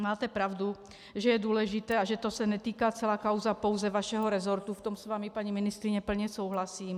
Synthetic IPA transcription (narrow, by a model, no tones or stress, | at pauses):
maːt̪ɛpɾaʊd̪u | ʒɛjɛd̪ʊɔlɛʒit̪ɛːaʒɛt̪ɔsaɲɛt̪iːkat͡sɛlaːkaʊzapɔʊzɛʋaʃɛɦɔɾɛzɔɾt̪uft̪ɔmsʋamipaɲiminist̪ɾiɲɛpl̩ɲɛsuːɦlasiːm